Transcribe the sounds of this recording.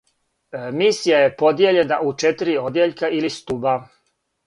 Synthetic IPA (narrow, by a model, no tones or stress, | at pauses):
misijaje̞po̞d̪je̞ʎenaʔut͡ʃet̪ɾio̞d̪jeʎkailist̪uba